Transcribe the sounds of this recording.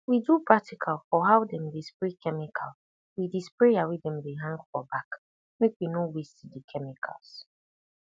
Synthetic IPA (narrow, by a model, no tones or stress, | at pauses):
widupʰɹatikʰalfɔɦawdɛ̃mdespɹekʰɛmɪkʰal | widispɹeawidɛ̃mdeɦãŋɡfɔbak | mekwinowesidikʰɛmikʰa̰lˠs